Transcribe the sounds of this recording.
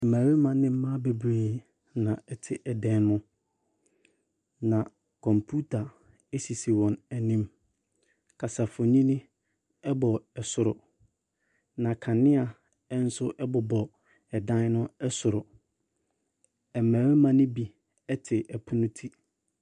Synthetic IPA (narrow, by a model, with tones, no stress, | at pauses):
ɛ˨mæ̃ː˨ɾe˦mã˨nɪ̃˦m̩˦mã˦be˨bɾeː˦ | nã˨ɛ˦tʰɪ˨ʔɛ˨dɛ̃˦nnʊ̃˦ | nã˨ | kʰɔ̃˨mpʰu˦tʰa˨ | e˦si˨si˨wɔ̃˨næ˨nĩ˦m | kʰa˨sa˨fʊ˨ɲĩ˦nĩ˦ | ɛ˦bɔ˨ɛ˨sʊ˨ɾʊ˨ | nã˨kʰã˨nɪ̃˦a˨ | ɛ˦n̩˦sʊ˦ʔɛ˦bɔ˨bɔ˨ | ɛ˨dã˦n˦nʊ̃˦ɛ˦sʊ˨ɾʊ˨ | ɛ˨mæ̃ː˨ɾe˦mã˨nɪ̃˦bi˦ | ɛ˦tʰɪ˨ʔɛ˨pʰʊ˦nʊ̃˦tʰi˦